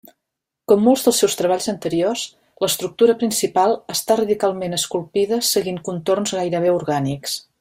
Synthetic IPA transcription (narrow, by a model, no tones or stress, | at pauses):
kɔmːolˠzðəlˠsɛwst̪ɾəβaʎzənt̪əɾios | ləst̪ɾuk̚t̪uɾəpɾinsipalˠəst̪arəðikalˠmenəskulˠpiðəsəɣiŋkunt̪ornzɣajɾəβ̞euɾɣaniks